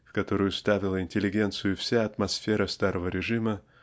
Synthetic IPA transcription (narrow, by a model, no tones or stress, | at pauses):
fkɐt̪o̞ɾəjʊst̪avʲɪlˠəɪnʲtʲɪlʲːɪɡʲe̞nt̪sɨjʊfsʲaɐt̪mɐsfʲeɾəst̪aɾəvəɾʲɪʐɨmə